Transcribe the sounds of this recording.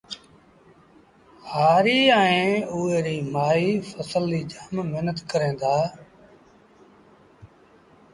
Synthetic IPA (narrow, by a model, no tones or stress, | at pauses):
haːɾiːɛ̃ːʊːeːɾiːmaːiːfəsəlːiːd͡ʒaːmːeɦnət̪kəɾẽːnd̪aː